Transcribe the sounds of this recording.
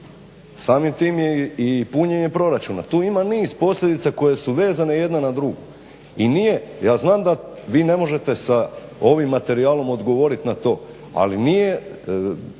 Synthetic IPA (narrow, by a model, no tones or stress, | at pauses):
saːmimt̪iːmjeipuɲeɲe̞pɾo̞ɾat͡ʃuna̰t̪uːimaniːzpo̞slʎʲe̞d̪it̪sako̞je̞suʋe̞ːzane̞je̞d̪nanad̪ɾuɡo | inije̞jaːznaːmd̪a | ʋiːne̞mo̞ʒe̞t̪e̞sao̞ʋimːat̪e̞ɾiaːlo̞mo̞d̪ɡo̞ʋo̞ɾit̪nat̪o̞ː | a̰linije̞